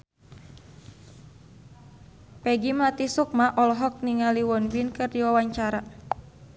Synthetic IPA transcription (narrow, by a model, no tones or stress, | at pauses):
pɛɡimlat̪isuk̚maʔɔlɔɦɔk̚niŋaliwɔnwinkɨrdiwawaɲt͡ʃaɾa